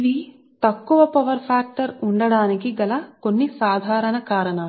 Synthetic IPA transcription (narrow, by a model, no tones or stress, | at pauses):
iʋi | t̪ɐkːuʋɐpɐʋɐɾpʰaːk̚ʈɐɾuɳɖɐɽaːnikiɡɐlɐkonːisaːd̪ʱaːɾɐɳɐkaːɾɐɳaːl